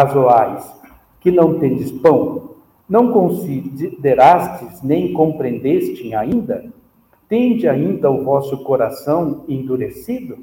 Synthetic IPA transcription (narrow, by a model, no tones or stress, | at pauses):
azoaɾɪs | kɪnɐ̃w̃t̪ẽd͡ʒ̪ɪspɐ̃w̃ | nɐ̃w̃kõsid̪eɾast͡ʃɪznẽj̃kõmpɾẽnd̪est͡ʃɪ̃aĩnd̪ɐ | t̪ẽnd͡ʒɪaĩnd̪ɐʊvɔsʊkoɾasɐ̃w̃ẽnd̪uɾesid̪ʊ